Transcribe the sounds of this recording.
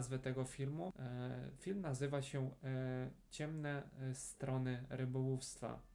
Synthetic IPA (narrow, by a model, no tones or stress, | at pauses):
zvɘt̪ɛɡɔfʲilmufʲilmnazɘvaɕɛ | t͡ɕɛmnɛst̪ɾɔnɘɾɘbɔwufst̪fa̰